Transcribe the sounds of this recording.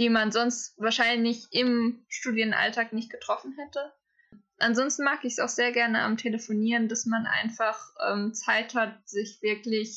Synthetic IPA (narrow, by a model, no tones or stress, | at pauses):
d̥iːmanzɔnstv̥aːɐʃaɪnlɪçʔɪmʃtuːdjənʔa̰ltʰaːknɪçt̚ɡ̥ətʁ̥ɔfn̩ɦɛtə | ʔanzɔnstn̩maːkəɪçsa̰ʊxz̥eːɐɡɛɐnəa̰mtʰeləfoniːʁəndasmanʔa̰ɪnfaχʔɛ̰ːmt͡saɪthat̚z̥ɪçv̥ɪɐklɪç